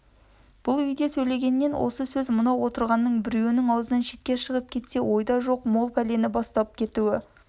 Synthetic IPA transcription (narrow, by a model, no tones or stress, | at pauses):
b̥ʊlˠʏjɡ̪ʲe̞sɵjle̞ɡʲe̞nːe̞nwʔo̰səsɵzmʊnɑwo̞t̪əɾʁɑnːəɴbɪɾjeɪnɪŋɑwzənɑnʃe̞t̪̚kʲe̞ʃəʁəp̚kʲʰe̞t̪se̞wo̞jd̪ɑʒo̞qmo̞lˠpʰæle̞nɪbɑst̪ɑəp̚kʲʰe̞t̪uɪ